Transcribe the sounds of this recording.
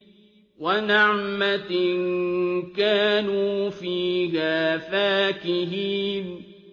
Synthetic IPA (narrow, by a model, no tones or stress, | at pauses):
wanɪʕmankaːnuːfiːɦaːfaːkɪɦiːn